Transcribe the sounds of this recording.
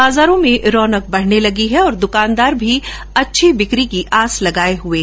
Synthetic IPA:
baːzaːɾõmẽɾɔːnək̚bɐɽ̤nelɐɡiɦɛɔːɾd̪ʊkaːnd̪aːɾbʱi | ɐtːʃʰibɪkɾikiʔaːslɐɡaːeɦʊeː

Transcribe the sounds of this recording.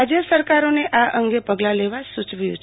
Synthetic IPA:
ad͡ʒjəsəɾkaɾoneʔaʔəŋɡepəɡlaleʋasut͡ʃʋjṵ̃t͡ʃʰ

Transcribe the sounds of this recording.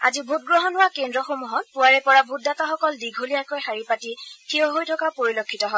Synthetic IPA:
a̰zibʱut̚ɡɹɔɦɔnɦʊwakendɹɔxomuɦɔt̚pʊwaɹɛpɔɹabʱut̚dataxɔkɔldiɡʱulijakojxaɹipatitʰiɔɦojtʰɔkapoɹilokʰːitɔɦɔ

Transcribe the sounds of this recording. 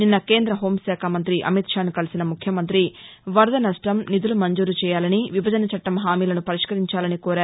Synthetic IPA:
ninːɐke̞ːnd̪ɾɐɦo̞ːmsaːkʰamɐnt̪ɾiʔɐ̰mit̪ʂaːnukɐlisinɐmukʰjɐmɐnt̪ɾi | ʋɐɾd̪ɐnɐʂʈɐmnid̪ulumɐɲd͡ʒuːɾut͡ʃɛːjaːlɐniʋibʱɐd͡ʒɐnɐt͡ʃɐʈːɐmɦaːmiːlɐnupɐɾiʂkɐɾiɲt͡ʃaːlɐnikoːɾaːɾu

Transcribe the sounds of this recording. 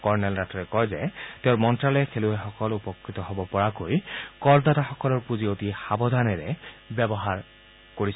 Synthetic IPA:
kɔɹnɛlɹatɔɹɛkɔjzɛteʊɹmɔntɹalɛkʰeluɛxɔkɔlupɔkʰːɹitɔɦɔbɔpɔɹakojkɔɹdataxɔkɔlɔɹpuziotixabɔd̪ʱanɛɹɛbɛbɔɦaɹ | koɹis

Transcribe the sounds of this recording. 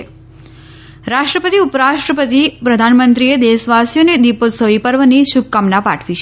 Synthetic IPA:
e | ɾaʃʈɾəpət̪iupəɾaʃʈɾəpət̪ipɾəd̪ʱanmənt̪ɾied̪eʃʋasjoned̪iposəʋipəɾʋəniʃub̚kamnapaʈʰʋit͡ʃʰe

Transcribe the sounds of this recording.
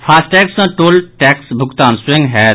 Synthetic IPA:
fʰaːsʈɛːksãʈoːlʈɛːksbʱʊkt̪aːnswẽŋɡɦɛ

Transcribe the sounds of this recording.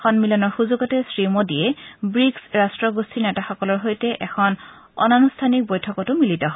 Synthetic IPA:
xʰɔnmilɔnɔɹxuzuɡɔtɛsɹimodijɛbɹiksɹastɹɔɡustʰinɛtaxɔkɔlɔɹɦojtɛʔɛxʰɔn | ɔ̰nanustʰanik̚bojtʰɔkɔtʊmilitɔɦɔ

